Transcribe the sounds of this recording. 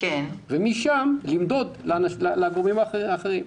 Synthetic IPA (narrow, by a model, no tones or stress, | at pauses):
kenvemiʃamlimd̪o̞d̪lanalalaɡomimaaχeʁim